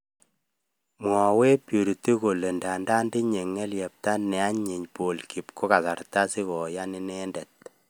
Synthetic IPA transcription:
m˨ɔ˨we˦pjo˨ɾi˨ti˦ko˨le˨nda˨nda˦ndi˦ɲe˨ŋːɛ˦ljɛ˨p̚ta˦nːɛ˨a˦ɲe˨ɲpo˨lki˨pko˦ka˨sa˨ɾta˦si˦kɔ˨ja˦ni˦nɛ˦ndɛ˨t̚

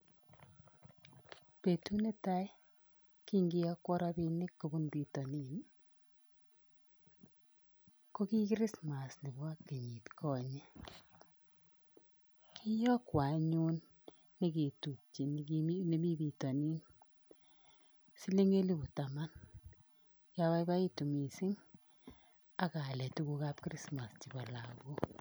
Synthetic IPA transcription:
pe˨tu˦ne˦ta˦j | ki˦ŋɡi˦jɔ˦kwɔ˦ɾɔ˦pi˧nɪ˦kːu˨bu˦nbi˨tɔ˨ni˨n | ko˦ki˦kɾɪ˦sma˨sni˨ba˦kːi˨ɲi˨tkʰɔ˨ɲe˦ | kʰi˦jɔ˦kwa˨ɲu˦nː | i˦ke˨tu˨k̚t͡ʃi˨n˦ne˦mi˦bi˨tɔ˨ni˦n | si˦le˦ŋe˦li˦bu˨ta˨ma˦n | ka˦wa˦jba˦i˦tu˨mi˨sɪ˦ŋ | a˨ka˨lɛ˨tu˦ku˧ka˦p̚kɾi˦sma˨st͡ʃi˨ba˨la˨ko˦

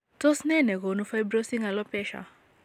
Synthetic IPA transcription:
tɔ˦snɛ˦nɛ˨ɣo˨nu˦fa˦jbɾo˦si˦ŋa˨lɔ˦pɛ˦ʃa̰˨

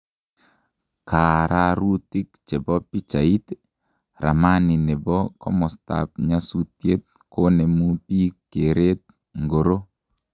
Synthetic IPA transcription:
ka˨ɾʔa˦ɾu˦t̪i˦k̚t͡ʃe˨bɔ˦pi˦t͡ʃa˨i˦t̪ | ɾa̰˨ma˦ni˨ne˨bɔ˦kɔ˦mɔ˨st̪a̰˨p̚ɲa˦sut̪je˦t̪̚ | ko˦ne˨mu˦pi˦kːe˨ɾe˦t̪̚ | ŋɡo˨ɾo˦

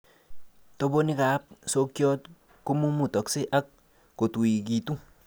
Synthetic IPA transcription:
to˦bo˦ni˦ka˨˦p̚so˦kjɔ˦t | ku˦mu˦mu˨tɔ˨kse˦ʔa˦k̚ː | o˨tu˨i˨k̬i˨tu˦

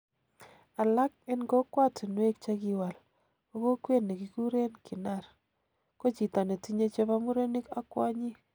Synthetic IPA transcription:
a˨la˦k̚e˦nɡo˦kwa˦tɪ˨nwe˦k̚t͡ʃa˦ki˦wa˨l | ko˦ko˦kwe˦ne˨ki˨ku˦ɾe˦nkʰi˨na˦˨r | ko˦t͡ʃi˨ta˨ne˨ti˦ɲe˦t͡ʃe˦pa˦mu˦ɾe˦ni˦ka˦kwa˦ɲi˦

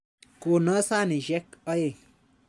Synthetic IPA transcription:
ko˨na˦sa˦ni˨ʒɛ˦kɔ˦je˦˨

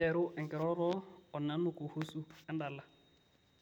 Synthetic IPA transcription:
ɛ˨ɾʊ˦ʔɛ˨ŋ̩˨kʼɛ˨ɾɔ˦ɾɔ˦ɔ˨na˦nʊ˨kʼʊ˨hu˦su˦ka˦n˦daː˨la˨

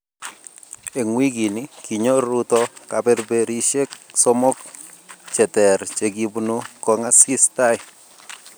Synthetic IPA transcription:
e˨ŋwi˦ɡi˨ni˦ki˨ɲo˦ɾu˦t̪ɔ˦ka˨bɛ˦ɾbe˨ɾi˦ʃe˦kso˦mo˦k | t͡ʃɛ˨tɛ˨ɾt͡ʃe˨ɡi˨bnu˦kɔ˨ŋa˦si˦st̪a˦ɪ˨

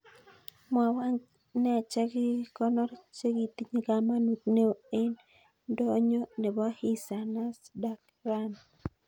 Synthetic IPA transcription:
ma˨wa˦ɲ | nɛ˦˨t͡ʃɛ˦ɡi˦kɔ˦nɔ˦ɾt͡ʃe˦ɡi˨t̪i˦ɲi˦ɡa˦ma˦nu˨t̪̚ne˦o˨e˦n | dɔ˦ɲo˦ne˨bɔ˦hi˦sa˨na˦sda˦k | ɾa˦n

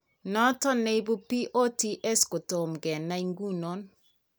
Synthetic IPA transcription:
nɔ˦tɔ˦ne˦i˦bu˦pi˦ʔo˦ti˦ʔɛ˦sko˨to˨mɡɛ˨nːa˦i˦ŋɡu˦no˦n

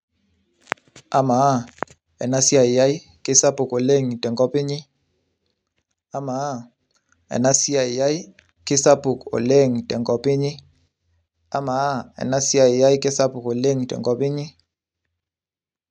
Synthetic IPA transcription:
a˦ma˨˦ | ɛ̰˨na˦si˦a˨ɪ˨ja˦i˦ | kɪ˦sa˦pʊ˨ko˨le˦˨ŋtɛ˨ŋɡɔ˦pɪ˦ɲɪ˦ | a˦ma˨˦ | ɛ̰˨na˦si˦a˨ɪ˨ja˦i˦ | kɪ˦sa˦pʊ˨ko̰˨le˦˨ŋtɛ˨ŋɡɔ˦pɪ˦ɲɪ˦ | a˦ma˨˦ɛ̰˨na˦si˦a˨ɪ˨ja˦i˦kɪ˦sa˦pʊ˨ko˨le˦ŋtɛ̰˨ŋɡɔ˦pɪ˦ɲɪ˦

